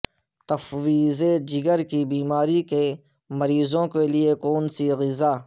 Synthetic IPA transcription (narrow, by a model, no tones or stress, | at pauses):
t̪ɐfwiːzed͡ʒɪɡəɾkibiːmaːɾike | mɐɾiːzõkeliekoːnsiɣɪzaː